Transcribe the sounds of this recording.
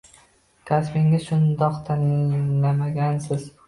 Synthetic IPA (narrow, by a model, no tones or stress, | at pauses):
kʲʰaspɪŋɪz̥ʃʊnd̪ɒqt̪ʰaŋnamaɡʲansɪz̥